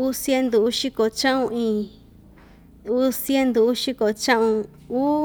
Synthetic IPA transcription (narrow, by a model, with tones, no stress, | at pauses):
u˦sje˦nd̪u˨u˦ʃi˦ko˨t͡ʃã˦ʔũ˧ĩ˧˨ | u˦sje˦nd̪u˨u˦ʃi˦ko˨t͡ʃã˦ʔũ˧ | u˦